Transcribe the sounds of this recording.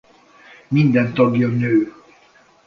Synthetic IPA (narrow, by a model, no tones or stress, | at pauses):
mind̪ɛnt̪ɒɡjɒnøː